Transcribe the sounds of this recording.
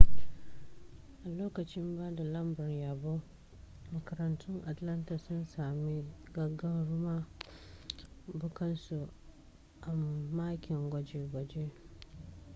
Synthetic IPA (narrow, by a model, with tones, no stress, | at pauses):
ʔa˨loː˦kɐ˨t͡ʃɪ˦mba˦da˨lɐ˦mbʊ˨njaː˨bo˦ | mɐ˨kɐ˨ɾɐ˨ntʰʊ˦ŋʔa˨tla˦nta˨sʊ˦nsaː˨mi˦ɡɐ˦ɡɐ˦nɾʊ˦ma˦ | bʊ˦kɐ˦nsu˨ | ʔa˨maː˦kʲɪ˨ŋɡʷɔ˨d͡ʒe˦ɡʷɔ˨d͡ʒe˦